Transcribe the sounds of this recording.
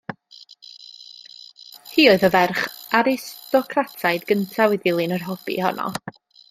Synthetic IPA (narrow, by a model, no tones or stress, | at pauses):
hiːoɨðəvɛrχaɾɪstɔkʰratʰajdɡəntʰawɛdɪlˠinərɦɔb̥ḭhɔ̰nʔɔ̰